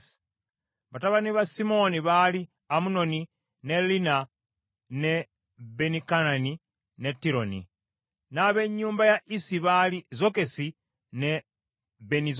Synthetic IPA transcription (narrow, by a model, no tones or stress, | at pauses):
βataβaniβasimo̞niβali | amuno̞ni | ne̞lina | ne̞ | benikanani | ne̞tːiɾo̞nḭ | naβe̞ɲːuːmbajaʔisiβalizo̞ke̞si | ne | βeniz